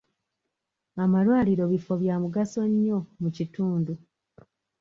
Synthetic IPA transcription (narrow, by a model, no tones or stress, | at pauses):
amalwaːliɾo̞βifo̞βjaːmuɡaso̞ɲːo̞mucituːndu